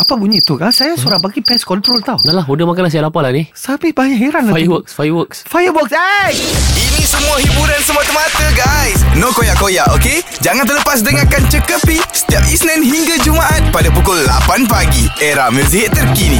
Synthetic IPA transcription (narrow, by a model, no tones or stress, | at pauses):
apabuɲit̪ukasajasuɾabaɡipɛskɔnt̪ɾolt̪awnalaɦudəmakanans̬ajaʔlapalanisapibaɲaʔɦeɾanafajəwəksfajəwəksfajəbɔk̚sajinĩsəmuahibuɾansəmuat̪əmat̪əɡajsnokojaʔkojaʔoked͡ʒaŋant̪ələpas̬dəŋakant͡ʃəkəpisə̥t̪iap̚isnɛnɦiŋɡad͡ʒumaʔat̪̚padapukʊlːa̰panpaɡieɾahmərsiɦatt̪ːərkini